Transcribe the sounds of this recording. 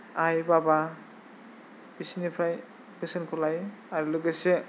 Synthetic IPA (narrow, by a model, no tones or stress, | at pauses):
ajbaba | b̥isinipʰaj | kɯsɯnkʰɔlaj | aɾulɯɡɯse